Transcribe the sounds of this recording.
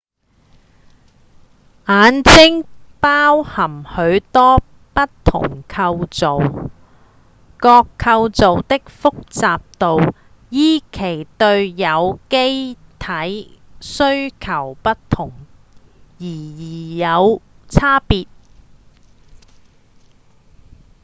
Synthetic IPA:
aː˨˥nt͡sɪ˥ŋpaː˥whɐ˨˩mhɵ˨˧ɥt̪ɔː˥ | pɐ˥t̚t̪ʰʊ̰˨˩ŋkʰɐ˧wt͡so˨w | kɔː˧kʰːɐ˧wt͡so˨wt̪ɪ˥k̚fʊ˥k̚t͡saː˨p̚t̪o˨w | jiː˥kʰe˨˩jt̪ɵ˧ɥjɐ˨˧wke˥jt̪ʰɐ˨˥jsɵ˥ɥkʰɐ˨˩wpɐ˥tt̪ʰʊ˨˩ŋ | jiː˨˩jiː˨˩jɐ˨˧w | t͡sʰaː˥piː˧t̚

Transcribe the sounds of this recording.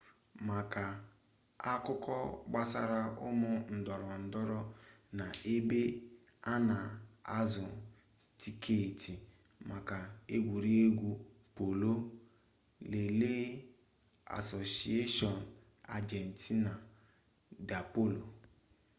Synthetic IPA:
ma˨ka˨ | a˦kʊ˦kʰɔ˦ɡ͡ba˦sa̰˦ɾa˦ʔʊ̰˦mʊ˦n̩˨dɔ˨ɾɔ˨n̩˨dɔ˦ɾɔ˦na˨e˦be˦ | a˦na˨a̰˦zɔ˨ | ti˨kʰe˦˨ti˨ | ma˨ka˨e˦ɡʷu˨ɾi˦e˦ɡʷu˦po˨lo˦ | le˨leː˦ | a̰˨so˨si˨e˦ʃɔ˨n̩˨ | a̰˨d͡ʒe˨n̩˨tʰi˦na˨ | da˨po˦lo˨

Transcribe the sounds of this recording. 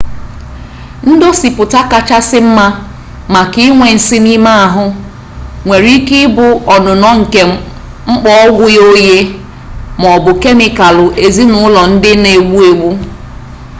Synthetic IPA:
n̩˦do˦si˨pʊ˨ta˦ka˦t͡ʃa˦sɪ˦m̩˦ma˦ | ma˨ki˦ŋʷe˨n̩˨sɪ˦ni˦ma˦a˨ɦʊ˦ | ŋʷe˨ɾi˦kɪ˦bʊ˨ɔ˨nʊ˨nɔ˦ŋ̩˨ke˨ | ŋ͡m̩˦k͡pɔ˦ɔ˦ɡʷʊ˦jo˦je˦ | m˨ɔ˨bʊ˨ke˦mɪ˨ka˨lʊ˨ʔe˨zi˦nʊ˨˦ʊ˦lɔ˨n̩˦dɪ˦ne˨wu˦e˨wu˦

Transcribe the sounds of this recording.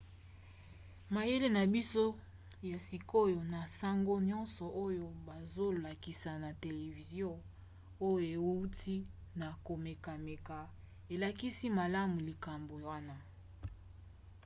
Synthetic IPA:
ma˨je˦le˦na˨bi˦so˦ | ja˨si˨ko˦jo˨na˨sa˦ŋɡo˦ɲɔ˦nsɔ˨ʔo˦jo˦ba˨zo˦la˨ki˨sa˨na˨te˨le˨vi˨zjɔ̃˦ | o˦joo˨e˨wu˦ti˦na˨ko˨me˨ka˨me˨ka˨ | e˨la˨ki˦si˦ma˨la˦mu˨li˨ka˨mbo˨wa˦na˦

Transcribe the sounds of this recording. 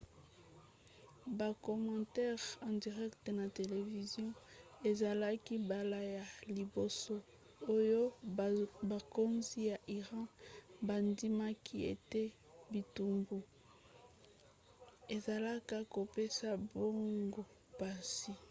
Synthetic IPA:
ba˨ko˨mɑ̃˨tɛ˦ʁɑ̃˨di˨ʁɛ˦kte˨na˨te˨le˨vi˨zjɔ̃˦e˨za˨la˦ki˦ba˨la˦ja˨li˨bo˨so˦ | o˦jo˦ | ba˨ko˦nzi˦ja˨ʔi˨ʁɑ̃˦ba˨ndi˦ma˦ki˦ḛ˨te˦ | bi˨tu˨mbu˨ | e˨za˨la˦ka˦ko˨pe˦sa˦bo˦ŋɡo˨ | pa˨si˨

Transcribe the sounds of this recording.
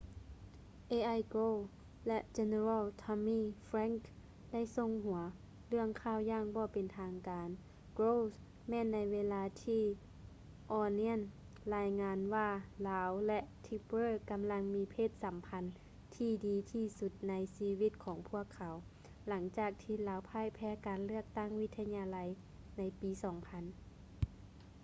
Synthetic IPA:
ʔeː˧ʔa˧jko˧˨ | lɛ˧ʔt͡ɕe˧ne˧ɾaː˧˨lt̪ʰɔ˧miː˧˥˨fɾɛː˧˥ŋk | da˥˩˨jso˧˨ŋɦu˨˩˦ɐ | lɯ˥˩əŋkʰaː˧˥˩wjaː˧˩ŋbɔː˧˦pe˨nt̪ʰaː˧ŋkaː˨˦n | ɡɾoː˧˥˨s | mɛː˧˥˨nːa˧˥jʋeː˧laː˧t̪ʰiː˧ | ʔɔː˧ni˧˥ən | laː˧jŋaː˧nwaː˧˩laː˨˦wlɛ˧ʔt̪ʰi˧bɾɤː˧˨ka˨mla˧ŋmiː˧pʰeː˧˩t̪̚sa˨˦mpʰa˧˦n | t̪ʰiː˧˩diː˨˧t̪ʰiː˧su˧t̪̚na˧jsiː˧wi˧˩t̪̚kʰɔː˨˩˦ŋpʰu˧˥˩əkʰːa˨˦w | la˨˦ŋt͡ɕaː˧˨˩k̚t̪ʰiː˧˩˨laː˨˦wpʰaː˧˥˨jpʰɛː˧˥kaː˨nlɯ˥˩ək̚t̪a˥˩˨ŋwi˧˥t̪ʰːa˧ɲaː˧la˧˦j | na˧˥jpiː˨˦sɔː˨˩˦ŋpʰa˧˥n

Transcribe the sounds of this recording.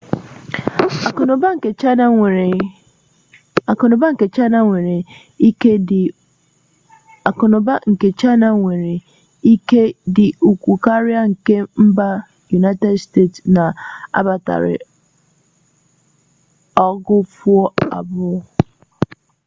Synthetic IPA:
n˨ba˦˨˦ | a˨kʊ˨nʊ˨ba˦ŋ̩˨ke˨t͡ʃa˦na˦ŋʷe˨ɾe˨ | i˦ke˦˨ | kʊ˨nʊ˨ba˦ŋ̩˨ke˨t͡ʃa˦na˦ŋʷe˨ɾe˨˦ | ke˦dɪ˨u˨kʷu˨ka˦ɾja˦ŋ̩˨ke˦m̩˦ba˦ | ju˨na˦ɪ˦te˦dste˦˨tsna˨a̰˦ba˨ta̰˨ɾɪ̰˨ | ɔ˦ɡʊ˦fu˦ɔ˦a̰˨bʊ˦

